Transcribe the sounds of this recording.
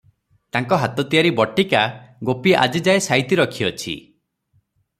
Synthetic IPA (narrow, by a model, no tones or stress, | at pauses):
t̪aŋkɔɦat̪ɔt̪ijaɾibɔʈikaɡopiʔa̰d͡ʒid͡ʒaesajt̪iɾɔkʰiɔt͡ʃʰḭ